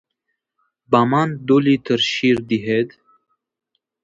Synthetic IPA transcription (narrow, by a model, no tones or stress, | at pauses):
bamand̪ulit̪ʰəɾʃiɾd̪iɦed̪